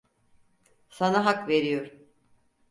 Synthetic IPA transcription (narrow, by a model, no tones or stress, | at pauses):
sanaɦakve̞ɾijoɾ